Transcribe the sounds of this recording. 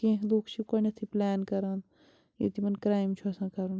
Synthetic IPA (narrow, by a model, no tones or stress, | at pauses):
kẽɦloːkt͡ʃʰikɐnɐt̪ʰiplɛːnkɐɾan | jḛt̪imɐnkɾaːjmt͡ʃʰuɐsãːkɐɾun